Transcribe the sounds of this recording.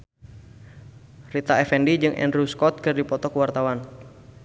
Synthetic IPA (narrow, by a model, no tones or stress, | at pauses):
rit̪aɛfɛndid͡ʒɨŋʔɛ̰nɾuskɔt̪̚kɨrdipɔt̪ɔkəwart̪awan